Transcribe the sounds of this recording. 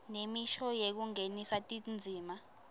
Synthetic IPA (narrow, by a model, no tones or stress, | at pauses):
nemiʃɔjek̬uŋenisatʼind͡zʱiːma